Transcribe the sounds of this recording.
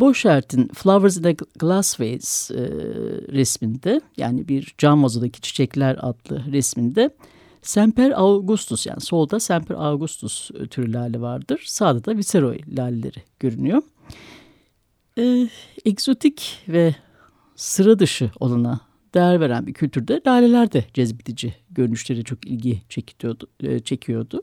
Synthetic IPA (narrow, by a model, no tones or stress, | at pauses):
bo̞ʃæɾt̪ʰinflˠavɛɾzind̪ɛɡ̥lˠasvejlz̥̰ | ɾɛsmind̪ɛja̰ːnibiɾd͡ʒanvazud̪acʰi̥t͡ʃʰi̥t͡ʃʰɛclʲæɾa̰d̪lˠɯ̰ɾɛsmind̪ɛ | sæmpʰæɾavɡust̪ʰusja̰ːniso̞lˠd̪asæmpʰæɾʔavɡust̪ʰust̪ʰyɾylʲaːlʲɛvaɾd̪ɯɾ̥saːd̪ad̪aviseɾo̞̰jlʲaːlʲelʲeɾiɟ̥ø̞ɾynyjo̞ɾ | ɛːɛkzo̞t̪ʰicvɛ | sɯɾad̪ɯʃɯo̞̰lˠana | d̪̥ejæɾve̞ɾænbiɾcʰylʲt̪ʰyɾd̪ɛlʲaːlʲe̞lʲæɾd̪ɛd͡ʒɛzbid̪id͡ʒiɟøɾynyʃlʲe̞ɾt͡ʃʰo̞kilʲɟi | t͡ʃʰe̞cʰijo̞d̪ʊ